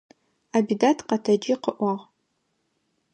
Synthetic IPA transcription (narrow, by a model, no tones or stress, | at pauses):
aːbidatʰqɐtʰɐd͡ʒiːqəʔʷɐʁ